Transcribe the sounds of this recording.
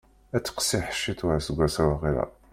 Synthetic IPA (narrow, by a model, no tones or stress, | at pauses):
æt͡sːə̥qsiħə̥ʃːit̪ɾasəɡʷːæsæwaʁiɾæ̰